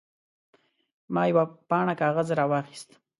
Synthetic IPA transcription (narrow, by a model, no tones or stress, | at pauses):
mɑjawapɑɳakɑɣazɾɑwɑxi̥st̪